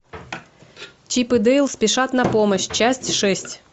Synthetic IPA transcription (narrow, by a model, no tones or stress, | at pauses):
t͡ɕipɨd̪ɛjlˠspʲɪʂat̪nɐpoməɕt͡ɕæsʲtʲʂɛsʲtʲ